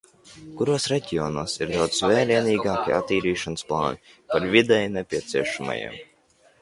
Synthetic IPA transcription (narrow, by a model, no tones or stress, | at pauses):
kuɾuɔsɾɛɟʲiɔːnuːsiɾd̪awd̪svʲɛːliɛniːɡaːkʲia̰t̪ːiːɾiːʃansplˠɑ̰ːni | paɾvʲid̪ɛjnɛpʲiɛt̪siɛʃama̰jḭɛm